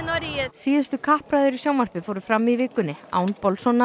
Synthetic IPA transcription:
ɾsiːðɪst̪ʏkʰahpɾaːðʏɾisjaːwmar̥pɪfoːwɾʏfɾamːivɪːkʏnːɪa̰ːwnpɔlsɔnːa

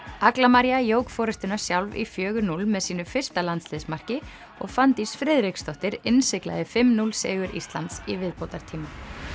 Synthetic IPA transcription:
aklamaɾjajoːwkfɔːɾɪst̪ʏnḁsjawlvḭfjœːɣʏɾnulmɛðsiːnʏfɪr̥st̪alant̪slɪðsmar̥cɪ | ɔɣfant̪isfɾɪðɾɪkst̪ɔht̪ɪɾɪnsɪkla̰ðɪfɪmnulsḛːɣʏɾʔḭst̪lant̪sivɪðpowt̪aɾ̥t̪ʰiːma

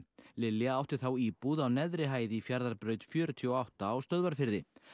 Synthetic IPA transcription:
lɪlːjaawht̪ɪ̥θawiːpuðawnɛðɾɪɦaːjðɪifjaɾðaɾpɾœːɥt̪fjœːɾʏt̪ʰiɔawht̪aːwst̪œðvaɾ̥fɪɾðɪ

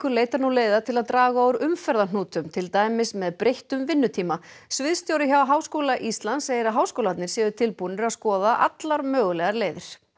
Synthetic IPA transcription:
kʏɾleːjt̪aɾnuleːjðat̪ʰɪlaðt̪ɾaːɣaɔwɾʏmfɛɾðan̥uːt̪ʏmt̪ʰɪlt̪aːjmɪsmɛðpɾʔejht̪ʏmvɪnːʏt̪ʰiːma | svɪðst̪jowɾɪçawɦaːwskoːwlaʔist̪lanseːjɪɾaɦaːwskowlat̪nɪɾ̥sɛːðʏt̪ʰɪlpunʏɾaðskɔːðaʔa̰t̪laɾmœːɣʏlɛɣaɾleːjðɪɾ̥

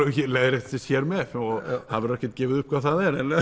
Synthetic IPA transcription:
ɛçɪleːɾɪt̪t̪ɪ̥sjɛɾmɛɔhavɪɾɛhcɛt̪cɛːvɪðʏhp̚kʰvawθaðɛɾɛn

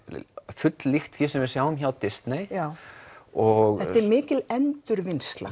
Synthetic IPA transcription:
fʏt̪llixt̪θjisɛmvɪsjawʏmçawt̪ɪst̪nej | ɔɣɛt̪ɛɾmɪːcɪlɛnt̪ʏɾvɪnst̪la̰

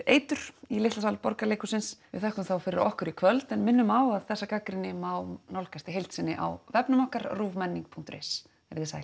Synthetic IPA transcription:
eːjt̪ʏɾ̥ilɪht̪asalpɔɾkalejkʏsɪnsvɪðθɛhkʏmθawfɪɾɪɾʔɔhkʏɾikʰvœlt̪ɛnmɪnːʏmaːwaðθɛsːakakɾɪnːɪmaːwnɔwlkast̪ɪɦejlt̪sɪnːɪ̰ʔa̰wvɛpnʏmɔhkaɾruːvmɛnːiŋk̚pʰuŋ̥kt̪ɾḛs | ɛɾðɪsa̰j

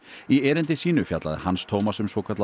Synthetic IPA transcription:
iɛːɾɪnt̪ɪsiːnʏfja̰t̪la̰ðɪ̰hanst̪ʰoːwmasɛmsowkʰat̪l

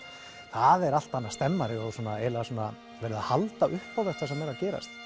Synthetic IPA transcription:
θaðɛɾal̥t̪anːḁst̪ɛmːaɾɪɔɣsɔːnaɛɾlɛɣasoːna̰ | vɛːɾɪðahalt̪aʔʏhpawðɛ̥t̪asɛmːɛɾacɛːɾa̰st̪

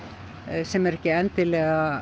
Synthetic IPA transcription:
sɛmɛɾɛhcɪɛnt̪ɪlɛːɣa

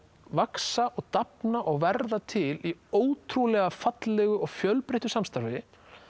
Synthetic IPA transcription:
vaksaʔɔɣt̪apnaʔɔɣvɛɾðat̪ʰɪlioːwt̪ʰɾulɛɣafat̪lɛɣʏɔɣfjœlpɾejht̪ʏsamst̪aɾvɪ

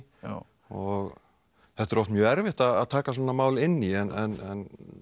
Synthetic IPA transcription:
ɔɣ | θɛht̪ɛɾɔft̪mjœːɛɾvɪht̪aðaðt̪ʰaːkasɔːnamaːwlɪnːiɛnʔɛnɛn

